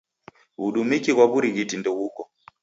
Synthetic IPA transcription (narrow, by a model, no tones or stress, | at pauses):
uɗumikiɣwaβuɾiɣitindɔɣukɔ